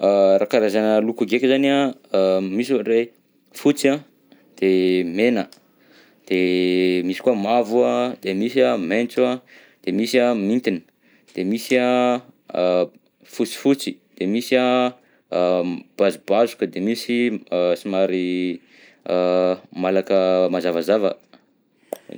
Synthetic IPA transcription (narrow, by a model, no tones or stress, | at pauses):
aɾakaɾazanəlukuɡekʲzana | misre | fut͡sa | d̪̥emenə | d̪̥emisi̥kuamavuad̪̥emisament͡sua | d̪̥emisiamint̪ini̥ | d̪̥emisa | fut͡si̥fut͡si̥d̪̥emisa | b̥azubazukəd̪emisisimaɾi | malakəmazavazavə̰